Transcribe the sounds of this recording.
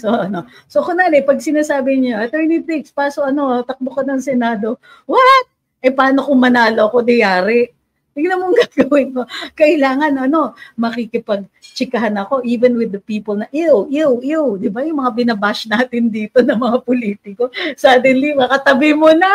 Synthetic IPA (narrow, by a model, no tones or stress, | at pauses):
soʔɐno̞ | sokonaːlɛpɐɡ̚sɪnaːsaːbɪɲoʔɐt̪ɛɹnit̪ɾɪkspaːsoʔɐno̞t̪ɐk̚bokɐnɐŋsɛnaːd̪o̞ | wat̪̚ | ʔɐjpɐaːnokʊŋmɐnaːloɐko̞d̪ɐjaːɾɛʔ | d̪ɪɡnɐmoŋɡaɡɐwɪnkokɐʔɪlaːŋɐnɐno̞mɐkikɪpɐɡ̚t͡ʃɪkɐɦanɐko̞ʔiːvɛnwɪd̪ɐpiːpolnɐʔewjuwjuwd̪ɪbajʊŋmɐŋabɪnɐbaʃnaːt̪ɪnd̪iːt̪o̞nɐŋmɐŋapoliːt̪ɪko̞sɐd̪ɛnlimɐkɐt̪ɐbɪmonɐ